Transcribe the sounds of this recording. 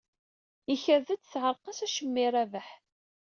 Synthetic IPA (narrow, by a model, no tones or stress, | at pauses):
jiçəɾðət͡sːθʕəɾˤqɑsæʃəmːiɾˤævəħ